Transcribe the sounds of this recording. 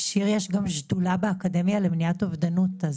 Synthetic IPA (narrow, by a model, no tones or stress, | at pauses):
ʃiʁjeʃɡamʃdulabeakade̞mjalemniatovd̪anutaz